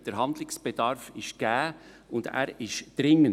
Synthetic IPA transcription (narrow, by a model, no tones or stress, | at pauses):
d̥əɾɦɑndlɪksb̥ed̥ɑɾfɪʃɡ̥æː | ʊndæ̰ːɾɪʃd̥ɾɪŋən